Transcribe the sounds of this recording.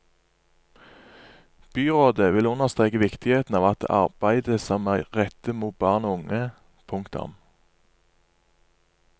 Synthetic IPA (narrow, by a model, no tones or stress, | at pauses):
b̥yːʁoːd̪əʋɪlʊnəʁst̪ʁeːkəʋɪkt̪ɪheːt̪n̩ɑːʋɑt̪ɑ̰ʁb̥æɪd̪əsɑmæɪʁɛt̪əmuːt̪̚bɑːʁnoːʊŋə | pʰʊŋkt̪ʊ̰m